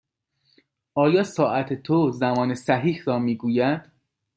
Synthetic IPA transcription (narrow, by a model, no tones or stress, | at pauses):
ɒːjɒːsɒːʔæt̪ʰet̪ʰozæmɒːne̞sæɦiːhɾɒːmiːɡuːjæd̪̥